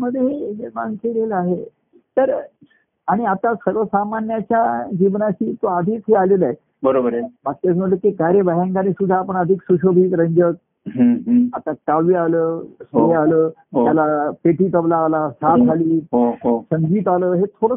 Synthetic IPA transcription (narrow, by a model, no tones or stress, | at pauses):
məd̪ʱjeeɦema̰ŋkeleləaɦe | t̪əɾ | aɽ̃iat̪asəɾʋəsamanjat͡ɕjad͡ʑiʋnat͡ɕiːt̪oad̪ʱiːt͡sɦealeləae | bəɾobəɾbatkas̬mə̃ləkikajɾebəɦãŋɡaniːsud̪ʱːaːpəɳəd̪ʱiksuɕobʱiːt̪ɾəɲd͡ʑək̚ | ɦat̪akaʋʋialəːsɦealəː | jalapeʈiːt̪əʋlaːlasat̪kʰaliːɦosəŋɡiːt̪aləːɦet̪ʰoɽə